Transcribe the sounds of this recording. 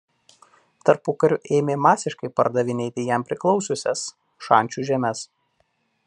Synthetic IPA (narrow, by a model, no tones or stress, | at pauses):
t̪ɐɾpʊkɐɾʲʊʔeːmʲeːmɑːsʲɪʃkɐɪpɐɾd̪ɐʋʲɪnʲeːt̪ʲɪjæmpʲɾʲɪklˠɒʊsʲʊsʲɛs | ʃɑˑnʲt͡ʃʲuːʒʲɛmʲɛs